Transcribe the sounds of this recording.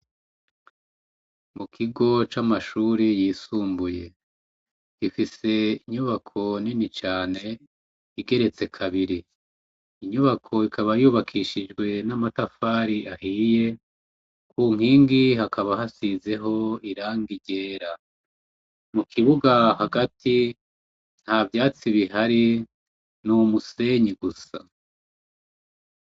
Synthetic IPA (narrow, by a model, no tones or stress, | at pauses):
mukʰiɡo̞t͡ʃamaʃuːɾijiːsuːmbuje̞ | ɡ̥ifise̞iɲuβakʰo̞ninit͡ʃaːne̞ | iɡe̞ɾe̞t͡se̞kʰaβiɾiː | ɲuβakʰo̞ikʰaβajuːβakʰiʃid͡ʒɡwe̞namatafaːɾiʔahije̞ | kuŋiːŋɡihakʰaβahasize̞ɦo̞iɾaːŋɡiɟe̞ːɾa | mukʰiβuɡahaɡatʰi | n̥haːvjaːt͡siβiɦaɾi | numuse̞ːɲiɡusa̰